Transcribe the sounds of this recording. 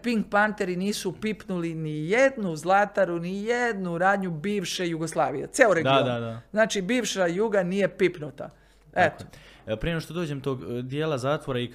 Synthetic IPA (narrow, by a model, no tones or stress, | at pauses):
piŋɡ̚pant̪e̞ɾiniːsupipnulinijed̪nuzlˠat̪aɾunijed̪nuɾaːd̪ɲubiːʋʃe̞juɡoslˠaːʋijḛt̪seːoɾeɡd̪ioad̪aznaːt͡ʃibiːʋʃajuːɡanije̞pipnut̪a̰ | et̪o̥pɾijenoʃt̪od̪oːd͡ʑemt̪oːɡd̪jeːlazaːt̪ʋoɾai